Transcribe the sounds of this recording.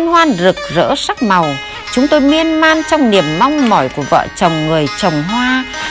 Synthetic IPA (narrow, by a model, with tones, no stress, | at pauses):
nhwaː˧nzɨ˨˩k̚zə̰ː˧˥sa˦˥k̚ma˨˩w | t͡ɕʊ˨˦ŋ͡mt̪o˧jmi˧ənmaː˧nt͡ɕɔ˧wŋ͡mni˨˩əmːa˧wŋ͡mmɔ˧˩jku˧˩əvə̰ː˧˨t͡ɕə˨˩wŋ͡mŋɨ˨˩əjt͡ɕə˨˩wŋ͡mɦwaː˧